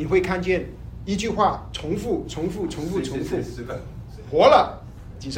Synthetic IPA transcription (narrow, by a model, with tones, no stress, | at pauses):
ni˨˩xwe˥˧ɪkʰa˥˧nt͡ɕjɛ˥˩n | i˥t͡ɕy˥˧xwa˥˩t͡sʰʊ˧˥ŋfu˥˩t͡sʰʊ˧˥ŋfu˥˩t͡sʰʊ˧˥ŋfu˥˩t͡sʰʊ˧˥ŋfu˥˩ | xwɔ˧˥lə˨ | t͡ɕi˨˩ʂ